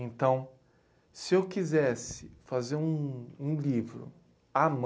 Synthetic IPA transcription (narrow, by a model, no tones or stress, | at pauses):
ẽnt̪ɐ̃w̃ | sɪewkizɛsɪfazeɾũũlivɾʊ̰ | am